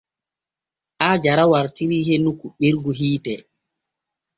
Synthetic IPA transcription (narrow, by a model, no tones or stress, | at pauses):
ʔaːd͡ʒaɾawaɾtiɾiːɦenukuɓiɾɡuɦiːtɛ